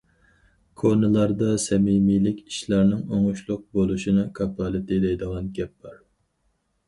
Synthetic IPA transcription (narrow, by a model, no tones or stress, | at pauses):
kʰonɨlˠɑɾd̪ɑsɛmimilɪkʲʰi̥ʃlɑɾnɪŋoŋuʃlˠʊq̚bolˠuʃinɨkʰɑpɑlˠɨt̪ɪd̪ɛjd̪əʁɑnɡʲɛp̚b̥ɑɾ